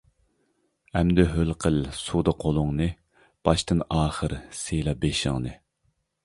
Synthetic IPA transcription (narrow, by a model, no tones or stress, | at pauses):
ɛmd̪ɛɦølqʰəlsud̪ɑqʰolˠʊŋnɨ | b̥ɑʃt̪ɨnɑːχəɾselɑbeʃɪ̰ŋnɨ